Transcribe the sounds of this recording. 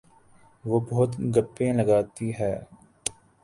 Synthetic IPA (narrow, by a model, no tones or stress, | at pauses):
ʋoːbɐɦʊt̪ɡəpːẽːləɡaːt̪iɦɛː